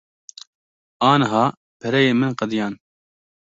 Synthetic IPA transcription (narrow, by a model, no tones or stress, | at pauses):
ɑːnɦɑː | pʰɛɾɛjeːmɨnqɐd̪jɑːn